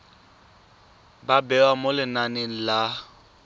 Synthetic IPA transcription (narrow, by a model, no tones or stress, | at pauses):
babɛwamolɪnanen̩la